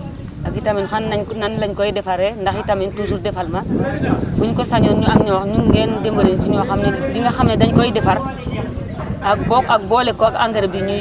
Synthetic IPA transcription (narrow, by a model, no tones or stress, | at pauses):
akitaminfanːananlaɲkojidefaɾendaxitamintus̬uɾdefalma | wuɲkosaɲonɲuamɲoɲuŋɡendembolent͡ʃiɲoxamnebiŋɡaxamnedaɲkojidefaɾ | ak̚bokak̚bolekoaɡa̰ŋɡeɾbiɲu